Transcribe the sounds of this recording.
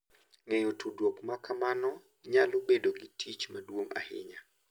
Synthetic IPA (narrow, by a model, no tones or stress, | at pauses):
ŋɛɲotʰudwokmakamanɔ | ɲalobedoɡitʰit͡ʃmadwoŋa̰hɪ̰ɲa